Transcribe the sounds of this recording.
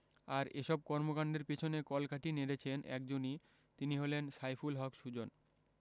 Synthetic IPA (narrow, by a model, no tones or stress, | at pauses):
aɾeʃɔb̚kɔɾmokaɳɖeɾpet͡ɕʰonekɔlkʰaʈineɾet͡ɕʰenʔɛ̰kd͡ʑoni | t̪iniɦolensajfulɦɔkʃud͡ʑon